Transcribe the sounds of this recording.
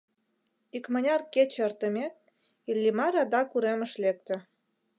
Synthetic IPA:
ikmə̆nʲɑrket͡ɕə̆rt̪ə̆mʲe | ilʲːimɑɾɑd̪ɑkuɾemə̆ʃlek̚t̪ə̆

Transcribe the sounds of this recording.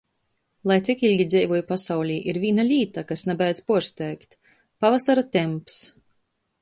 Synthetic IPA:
lˠajt̪sikilʲɡʲid̪zɛjvuɔjupasawlʲiːʔiɾvʲiːnalʲiːt̪akasnabæjd̪zpuɔɾst̪ɛːkt̪ | pavasaɾat̪ʲɛmps

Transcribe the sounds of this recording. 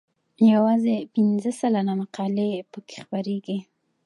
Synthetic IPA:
jawɑzepinzəsalanamaqɑlepəke̥xpaɾeɡi

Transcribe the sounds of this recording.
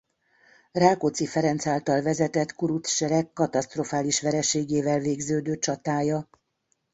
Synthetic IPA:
raːkot̪sifɛɾɛnt̪saːlt̪ɒlvɛzɛt̪ɛt̪kuɾut̪sʃɛɾɛkːɒt̪ɒst̪ro̞faːliʃʋɛɾɛʃeːɡeːvɛlveːɡzøːd̪øːt͡ʃɒt̪aːjɒ

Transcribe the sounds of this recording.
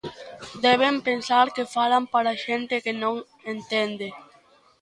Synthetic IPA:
d̪ɛβ̞empensaɾkefalampaɾaʃent̪ɪkɪnõŋ | ent̪end̪e

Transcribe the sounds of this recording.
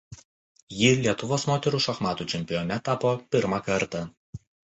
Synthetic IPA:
jɪlʲiɛt̪ʊʋoːsmoːt̪ʲɛɾuːʃɐxmɑːt̪uːt͡ʃʲɛmʲpʲɪjɔːnʲɛt̪ɑːpoːpʲɪɾmɑkɐɾt̪ɐ

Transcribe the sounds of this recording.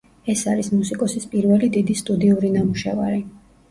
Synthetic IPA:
ɛsaɾismusikʼɔsispʼiɾvɛlid̪id̪ist̪ʼud̪iuɾinamuʃɛ̰vaɾi

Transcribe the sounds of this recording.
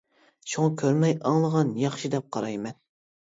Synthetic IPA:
ʃuŋɑkʲʰøɾmɛjɑŋlˠəʁɑnjɑχʃid̪ɛp̚qʰɑɾɑjmɛn

